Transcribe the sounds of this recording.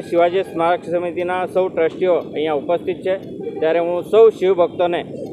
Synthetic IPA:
ʃiʋad͡ʒesmaɾkʰsəmit̪inasəwʈɾəsʈijoə̃ɦĩjãupəst̪ʰit̪̚t͡ʃʰe | t̪jaɾeɦũsəwʃiʋbʱək̚t̪one

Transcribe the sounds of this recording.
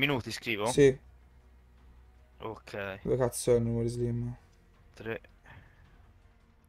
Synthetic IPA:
minuːt̪iskɾiːvosi | okʰɛjlekat̪sɔnuməɾizlimːə | t̪ɾe

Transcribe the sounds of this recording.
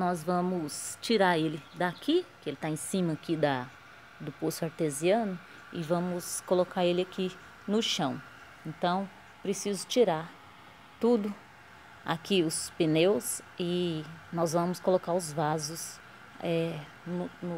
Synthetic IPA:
nɔzvɐ̃mʊst͡ʃiɾaɾelɪd̪akʰikɪelɪt̪aẽsĩmɐkid̪ɐ | d̪ʊposʊaɾt̪eziɐ̃nʊ | ɪvɐ̃mʊskolokaɾelɪakʰi | nʊʃɐ̃w̃ | ẽnt̪ɐ̃w̃ | pɾesizʊt͡ʃiɾaɾ | t̪ud̪ʊ | a̰kiʊspenewsɪnɔzvɐ̃mʊskolokaɾʊzvazʊs | ɛ | nʊnʊ

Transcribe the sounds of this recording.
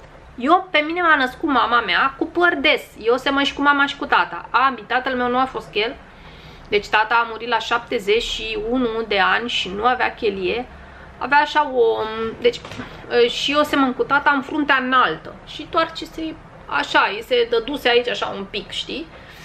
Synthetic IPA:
je̞pe̞mine̞manəskut̪mamameakupərd̪e̞sjeose̞mənʃi̥kumamaʃi̥kut̪at̪a̰ambit̪at̪əlme̞wnuafo̞st̪̚kjel | d̪e̞t͡ʃʲt̪at̪aːmuɾit̪laʃap̚t̪e̞ze̞t͡ʃʃiunud̪e̞anʲʃinuavea̰kʲe̞lije̞ | aveaːʃaod̪e̞t͡ʃʲ | əʃijese̞mənkut̪at̪aɨnfɾunt̪eanalt̪ə̰ʃit̪oart͡ʃese | a̰ʃajese̞d̪əd̪useait͡ʃaʃa̰umpikʃt̪i

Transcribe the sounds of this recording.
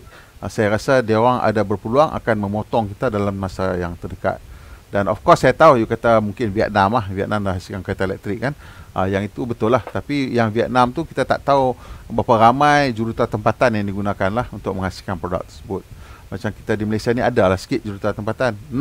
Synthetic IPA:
sajaɾasadiaoɾaŋa̰dabərpəluaŋʔa̰kanmə̃mɔt̪ɔŋkit̪adalamːasajaŋt̪ərdəka̰t̪̚danɔ̰fkɔsːajat̪aujukat̪amuŋkɪnviɛ̰t̪̚namahviɛ̰t̪̚namlaɦasikankat̪alɛ̰k̚t̪ɾɪkːanʔəjaŋit̪ubət̪ʊlaht̪apijaŋviɛt̪̚namt̪ukit̪at̪a̰ʔt̪aubapaɾamajd͡ʒuɾut̪at̪əmpat̪anjaŋdiɡunakanlahunt̪ʊk̚mə̃ŋhasi̥kanpɾoda̰k̚t̪ə̥rsəbʊt̪̚mat͡ʃamki̥t̪adiməlajsianiadalahsə̥kɪt̪̚d͡ʒuɾut̪at̪əmpat̪anː

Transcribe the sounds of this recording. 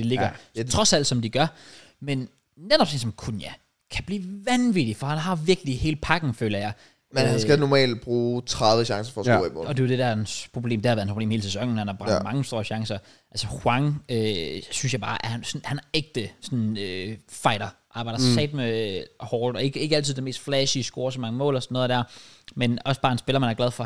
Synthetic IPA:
d̥e̝le̝ɡ̥ɐt͡sʰʁɒ̽sæl̰d̥sɒ̽md̥iɡ̥ɶɐ | men | ned̥ɒb̥sensɒ̽mkʰunjæ | kʰæb̥lḭːʋænʋid̥ifɒhænɦɑ̈ʋiɐɡ̥lihe̝ːləpʰɑ̈ɡ̥ŋ̩føːlɐjɑ̈ɪ | enhænsɡ̥ænɒmɛ̰ːld̥̚b̥ʁuːt͡sʰʁɑðˠʋəɕɑ̈ŋsɐfɒsmɒ̽d̥e̝ʊd̥edænspʰʁo̝b̥le̝̰ːmd̥eɑʋeæɐnpʰobḛːmheːləsesɒ̽ŋ̰n̩hænhɑ̈b̥ʁɑɡdmɑ̈ŋəsd̥o̝ːɐɕɑ̈ŋsɐ | ælsəhwɑ̈ŋøsynsjɑ̈ɪ̥ɑ̈ːʔæɐhænsɒnhænæeɡ̥̚d̥əsɒnøfɑ̈ɪɾ̥ɐʔɑ̈ːb̥ɑ̈ɪd̥ɐɐssɛ̰ːd̥mehɒːd̥ɒ̽e̝ɡ̥əe̝ɡəæl̰t͡sʰiðˠd̥eme̝̰ːsd̥flɛsiəsɡ̥o̝ːɐsɒmɑ̈ŋəmɔ̰ːlɒ̽sɒnːoːð̩ˠd̥æ̰ɐ̰menɒ̽səb̥ɑ̈ːensb̥e̝lɐmænæɐɡlæð̞ˠfɒ̽

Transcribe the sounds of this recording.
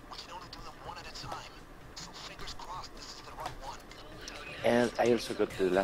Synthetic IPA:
wikʰɨ̃nõʊ̃nlidəðə̃wʌ̃nɨɾɨtʰãɪ̃m | sʌ̃fɪ̃ŋɡə˞z̥kʰɹ̥ɔsðɪsɨzðɨɹaɪt̚wʌ̃n | ɨ̃naɪɔlˠsoʊɡɔtʰɨlæ

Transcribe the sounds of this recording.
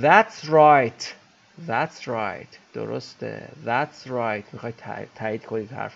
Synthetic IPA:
ðæt̪sɹajt̪ʰ | ðæt̪sɾa̰jt̪ʰd̪̥o̰ɾo̰st̪ḛðæt̪sɾajt̪ʰmixɒːjt̪ʰt̪ʰæiːd̪kʰonit̪hæ̰ɾf

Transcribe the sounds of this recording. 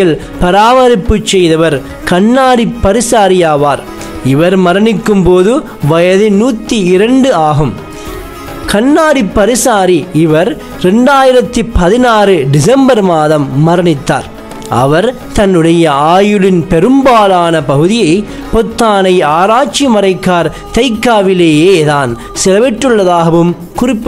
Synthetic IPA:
ɪl | pɐɾaːʋɐɾɪpːɯt͡ʃːɛjðɐʋɐɾ | kɐɳːaːɽipːɐɾɪsaːɾɪjaːʋaːɾ | ɪʋɐɾmɐɾɐnɪkːɯmpoːðɯ | ʋɐjɐðɯnuːt̪ːiɪɾɐɳɖɯaːɣɯm | kɐɳːaːɽipːɐɾɪsaːɾiɪʋɐɾ | ɾɛɳɖaːjɪɾɐt̪ːipːɐðɪnaːrɯɖɪsɛmbɐɾmaːðɐmːɐɾɐnɪt̪ːa̰ːɾ | ʔɐ̰ʋɐɾ | t̪ɐnːɯɽɐjɐaːjɯɭɪnpɛɾɯmbaːlaːnɐpɐɣɯðɪjɐɪ | pɔt̪ːaːnɐɪaːɾaːt͡ʃːimɐɾɐɪkːaːɾ | t̪ɐɪkːaːʋɪleːjeːðaːn | sɪlɐʋɪʈːɯɭːɐðaːɣɐʋɯm | kʊrɪpːɯ

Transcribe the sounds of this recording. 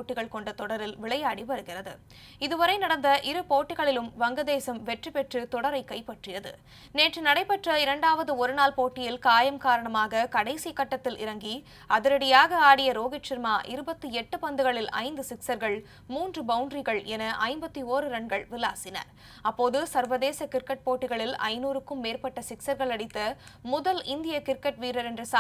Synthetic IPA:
oːʈːɪɣɐɭkɔɳɖɐt̪ɔɽɐɾɪlʋɪɭɐjaːɽiʋɐɾɯɣɪrɐðɯ̰ | ɪðɯʋɐɾɐɪnɐɽɐnd̪ɐʔɪɾɯpoːʈːɪɣɐɭɪlɯmʋɐŋɡɐðeːsɐmʋɛʈrɯpɛʈrɯt̪ɔɽɐɾɐɪkːɐɪpːɐʈrɪjɐðɯ̰ | neːʈrɯnɐɽɐɪpːɐʈrɐɪɾɐɳɖaːʋɐðɯɔɾɯnaːlpoːʈːɪjɪlkaːjɐmkaːɾɐɳɐmaːɣɐkɐɽɐɪsikːɐʈːɐt̪ːɪlɪ̰ɾɐŋɡi | ɐðɯɾɐɽɪjaːɣɐaːɽɪjɐɾoːɣɪt͡ʃɪɾmaːʔɪɾɯbɐt̪ːɯɛʈːɯpɐnd̪ɯɣɐɭɪlɐ̰ɪnd̪ɯsɪksɐɾɣɐɭ | muːndrɯbɐʊɳɖrɪɣɐɭɛnɐʔɐɪmbɐt̪ːioːɾɯɾɐɳɡɐɭʋɪla̰ːsɪnɐ̰ɾ | ɐpːoːðɯsɐɾʋɐðeːsɐkɪɾkɐʈ̚poːʈːɪɣɐɭɪlɐ̰ɪnuːɾɯkːɯmːeːɾpɐʈːɐsɪksɐɾɣɐɭɐɽɪt̪ːɐ | mʊðɐlɪnd̪ɪjɐkɪɾkːɐʈʋiːɾɐɾɛndrɯs

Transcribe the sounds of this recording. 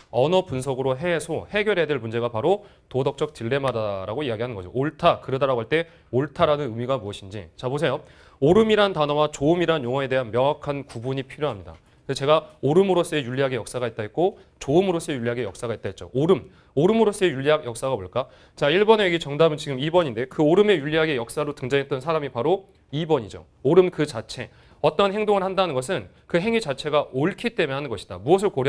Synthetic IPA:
ʌnʌpunsʰʌɡɯɾoɦe̞sʰohe̞ɡjʌɾedwɯɭmund͡ʑe̞ɡapaɾo | todʌk̚t͡ɕ͈ʌk̚tɯɭːe̞madaɾaɡoiaɡiɦanɯnɡʌd͡ʑo̰oɭtʰakɯɾʌdaɾaɡoɦaɭt͈e̞ | oɭtʰaɾanɯnɯmiɡamuʌɕʰind͡ʑḭt͡ɕabos̬ʰe̞jo | oɾɯmiɾantanʌwat͡ɕoɯmiɾanjoŋʌe̞de̞ɦanmjʌŋakʰankubuɲipʰiɾjoɦamɲida̰ | kɯnet͡ɕe̞ɡaoɾɯmɯɾos͈ɯejuɭʎːiɦaɡejʌk̚s͈aɡaet̚t͈aɦet̚k͈o | t͡ɕoɯmɯɾos͈ɯejuʎːiɦaɡe̞jʌk̚s͈aɡaet͈̚aɦet̚t͡ɕ͈o̰oɾɯm | oɾɯmɯɾos͈ejuʎːiakjʌk̚s͈aɡaboɭk͈a | t͡ɕaiɭbʌneɡit͡ɕʌŋdaɦmʌnt͡ɕiɡɯmibʌɲinde̞kɯoɾɯme̞juʎːiɦaɡe̞jʌk̚s͈aɾotɯŋd͡ʑaŋɦet͈ʌnsʰaɾamipaɾo | ibʌɲid͡ʑo̰ | oɾɯmkɯt͡ɕat͡ɕʰe̞ | ʌt͈ʌnɦe̞ŋdoŋɯɭhandanɯnɡʌs̬ʰɯn | kɯɦe̞ŋit͡ɕat͡ɕʰe̞ɡaʔoɭkʰit͈e̞mjeɦanɯnɡʌɕʰid̥a̰muʌs̬ʰɯɭkoɾ

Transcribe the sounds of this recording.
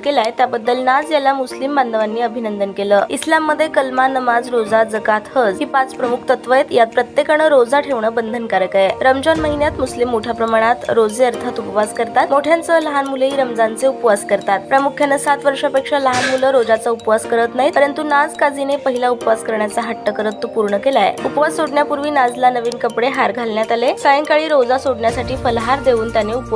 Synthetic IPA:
kelajt̪jabəd̪ːəlnad͡zjalamuslimband̪əʋanːiːəbʱinənd̪ənkeləislamːəd̪ʱːjekəlmanəmad͡zɾod͡zad͡zəkat̪həd͡zɦiːpat͡spɾəmukʰt̪ət̪ʋəjt̪japɾət̪jekəɳəɾod͡zaʈʰeʋɳəbənd̪ʱənkaɾəkəjeɾəmd͡ʑanməɦinjat̪muslimːoʈʰjapɾəmaɽ̃at̪ɾod͡zeəɾt̪ʰat̪upəʋaskəɾt̪at̪moʈʰjant͡sələɦanmuleiɾəmd͡zant͡seupʋaskəɾt̪at̪pɾəmukʰjənəsat̪ʋəɾʂapekʂaləɦanmuləɾod͡zat͡saupʋaskəɾət̪naɦit̪əɾənt̪unad͡zkad͡zinepəɦilaupʋaskəɾɳjat͡saɦaʈ̪ːəkəɾət̪ːopuɾɳəkelajḛupʋad͡zsoɽɳjapuɾʋiːnad͡zlanəʋiːnkəpɽeɦaɾɡʱalɳjat̪alesajəŋkaɭiːɾod͡zasoɽɳjasaʈʰiːfəlɦaɾd̪eʋuːnt̪janeup

